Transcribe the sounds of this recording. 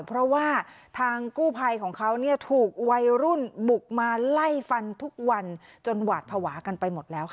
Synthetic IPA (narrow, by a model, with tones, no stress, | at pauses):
pʰɾɔ˦˥waː˥˩ | t̪ʰaː˧ŋkuː˥˩pʰa˧jkʰɔː˩˦ŋkʰa˦˥wni˥˩ɐt̪ʰuː˨˩k̚wa˧jɾu˥˩nbu˨˩k̚maː˧la˥˩jfa˧nt̪ʰu˦˥k̚wa˧n | t͡ɕo˧nwaː˨˩t̪̚pʰa˧waː˩˦ka˧npa˧jmo˨˩t̪̚lɛː˦˥wkʰ